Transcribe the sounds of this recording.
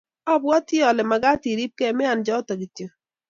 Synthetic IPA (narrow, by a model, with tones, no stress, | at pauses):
ɔ˦bwɔ˦ti˦ɔ˨lɛ˨ma˨ɡa˦ti˨ɾi˦p̚kɛ˦mɪ˦a˨nd͡ʒɔ˦ta˨ɡi˨tjo˨